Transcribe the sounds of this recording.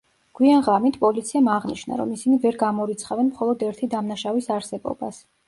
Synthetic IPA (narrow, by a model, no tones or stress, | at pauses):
ɡ̥wianʁɾamit̪ʰpʼɔlit̪sʰiamaʁniʃna̰ɾɔ̰misinivɛɾɡamɔɾit̪sʰχavɛnmχɔlˠɔd̪ɛɾt̪ʰid̪amnaʃavisaɾsɛbɔ̰ba̰s